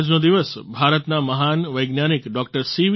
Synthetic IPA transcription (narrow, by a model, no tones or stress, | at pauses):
d͡ʒnod̪iʋəsbʱaɾət̪naməɦanʋəjɡnjanikɖɔkʈəɾsiʋ